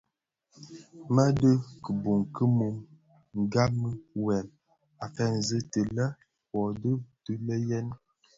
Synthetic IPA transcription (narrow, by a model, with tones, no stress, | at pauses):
mə˦də˦kə˨bu˨ŋkə˦mu˨m | ŋ˨ɡa˦mə˦wɛ˨m | a˨fɛ˦˨n˨zə˦tə˨lə˦ | wɔ˨də˦tə˦lə˦jɛ˦n